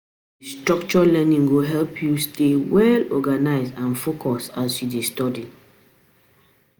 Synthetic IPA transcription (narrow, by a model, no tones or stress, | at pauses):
distɹɔkt͡ʃɔlɛ̃nĩŋɡoɦɛlpʰjustewɛlɔ̰ɡanaɪzdãnfokʰɔsasjudestɔdi